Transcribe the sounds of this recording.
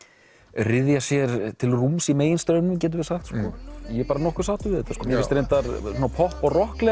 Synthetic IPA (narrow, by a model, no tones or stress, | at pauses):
rɪðjasjɛɾt̪ʰɪlrumsimeːjɪnst̪œːɥnʏmcɛːt̪̬ʏɾvɪ̥saxt̪skɔjɛpaːɾanɔhkʏɾ̥saːt̪ʏvɪðɛht̪askɔːmjɛɪst̪ɾejnt̪aɾsunapʰɔhpɔɣrɔhklɛ